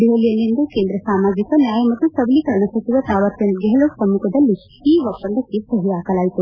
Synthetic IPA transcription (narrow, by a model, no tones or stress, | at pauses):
ɖiʋɐlijɐlːind̪ukeːnd̪ɾɐsaːmaːɡɾikɐnjaːjɐmɐt̪ːusɐblikɐɾɐɳ̃ɐsɐt͡ʃiʋat̪aːʋɐɾt̪jɐnt̪ɡɐɦɐloːpɾɐmːukʰɐd̪ɐlːi | iːʋɐpːɐnd̪ɐkːisɐɦiʋaːkɐlaːjit̪u